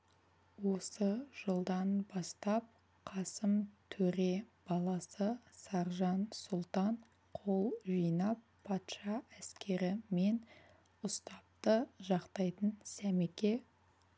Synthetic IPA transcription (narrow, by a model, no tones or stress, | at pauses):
wo̞səʒ̥əlˠd̪ɑnbɑst̪ɑp̚ | qʰɑsəmt̪ʰɵɾe̞b̥ɑlˠɑsəsɑɾʒɑnsʊlˠt̪ɑɴ | qʰo̞lˠʒijnɑpʰːɑt̪ʃɑæskʲe̞ɾɪme̞n | ʊst̪ɑp̚t̪əʒɑqt̪ɑjt̪ənsæmekʲe̞